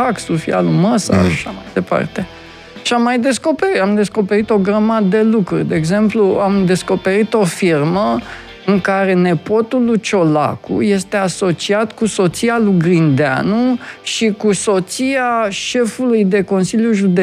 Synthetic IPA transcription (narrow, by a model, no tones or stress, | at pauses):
aksufḭa̰luməsa̰aʃamajd̪e̞pa̰rt̪e | ʃamːajd̪e̞sko̞peɾit̪amd̪e̞sko̞pe̞ɾit̪o̞ɡɾəmad̪d̪e̞lukɾurʲd̪e̞ːɡze̞mpluamd̪e̞sko̞pe̞ɾit̪o̞firmə | ɨŋkaɾe̞ne̞po̞t̪ulut͡ʃo̞la̰kṵje̞st̪e̞aso̞t͡ʃiat̪kuso̞t̪sialuɡɾind̪ea̰nuʃikuso̞t̪siaʃe̞fulujd̪e̞ko̞nsiljuʒud̪e